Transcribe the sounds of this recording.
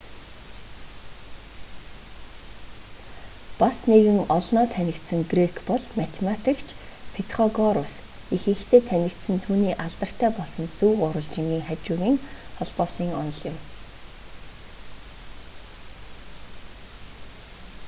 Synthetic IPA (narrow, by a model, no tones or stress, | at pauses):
pasneɣɘ̆ŋɔɮnɔːt̪ʰænʲɪ̆kt̪sə̆ŋɡrekʰpɔɮmat̪ʰemat̪ʰikt͡ɕʰpʰet̪χɔɣɔɾʊs | ixɘ̆xt̪ʰeːt̪ʰænʲɪ̆kt̪sɘ̆nt̪ʰuːniːʔaɮt̪ə̆r̥t̪ʰæːpɔɮsɞ̆nt͡suːɢʊɾə̆ɮt͡ɕɪ̆ŋɡʲiːŋχæt͡ɕʊːɣiːŋχɔɮpɔːsiːŋɔnɞ̆ɮjʊ̆m